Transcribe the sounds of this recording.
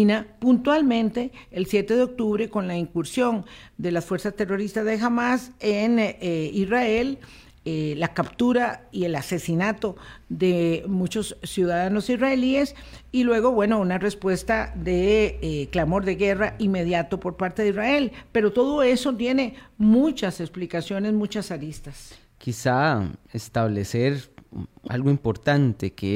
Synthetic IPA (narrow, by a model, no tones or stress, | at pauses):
inapunt̪walmẽ̞nt̪e̞ːlsje̞t̪e̞ðeo̞k̚t̪uβɾe̞ko̞nlaiŋkuɾsjo̞n | d̪e̞lasfwe̞ɾsast̪e̞ro̞ɾist̪azðe̞xamasenisrae̞l | lːakapt̪uɾaie̞lase̞sinat̪o̞ðe̞mut͡ʃo̞sːjuðaðano̞sisraelie̞s | ilwe̞ɣo̞βwe̞no̞unare̞spwe̞st̪aðeklamo̞ɾðe̞ɣe̞raime̞ð̞jat̪o̞po̞ɾpaɾt̪e̞ðizrae̞lpe̞ɾo̞t̪o̞ðo̞e̞so̞t̪je̞ne̞mut͡ʃaseksplikasjo̞ne̞zmũt͡ʃasaɾist̪as | kisaest̪aβleseɾ | a̰lɣoimpo̞ɾt̪ant̪eke